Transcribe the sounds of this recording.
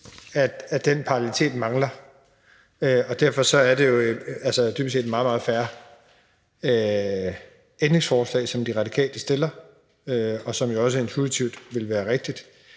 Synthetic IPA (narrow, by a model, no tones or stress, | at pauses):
æ̥æ̥enpʰɑ̈ɑllit͡sʰe̝̰ːd̥mɑ̈ŋlɐ | øɒ̽d̥æɐfɒ̽sɒ̽æɐd̥e̝jo̝ælsəd̥yb̥se̝̰ːd̥mɑ̈ːð̩ˠmɑ̈ːð̞̩ˠfæːɐ | ø | end̥ʁe̝ŋsfɒːslɛ̰ːsɒ̽md̥iʁɑ̈d̥ikʰɛ̰ːld̥əsd̥e̝lɐ | øɒ̽sɒ̽mjo̝ɒ̽s̬əe̝nt͡sʰuit͡sʰiʊ̰d̥ʋe̝lʋæːɐʁeɡ̥̚d̥id̥